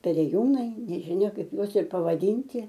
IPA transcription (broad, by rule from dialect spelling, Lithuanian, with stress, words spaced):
pʲɛrʲeːˈjuːnɐɪ nʲɛʒʲɪˈnʲɛ ˈkɐɪp ˈjuɔs ɪr pɐʋɐˈdʲiːnʲtʲɪ